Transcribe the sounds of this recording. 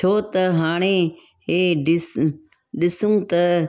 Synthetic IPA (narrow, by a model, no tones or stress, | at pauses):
t͡ʃʰoːt̪ɐɦaːɽ̃eː | ɦeːɖɪs | ɗɪsũːt̪ɐ